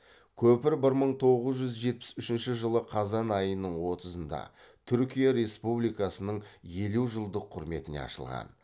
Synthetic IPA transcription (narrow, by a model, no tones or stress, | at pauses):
kʲʰɵpɪɾbɪɾməɴt̪ʰo̞ʁəzʒʏzʒe̞t̪̚pɪ̥sʏʃɪnʃɪʒəlˠəqʰɑzɑnɑjənːəɴwo̞t̪əzənd̪ɑ̰t̪ʰʏɾkʲijaɾe̞spublijkɑsənəɴje̞luʒəlˠd̪əqʰːʊɾme̞t̪ɪne̞̰ɑ̰ʃə̰lˠʁɑ̰n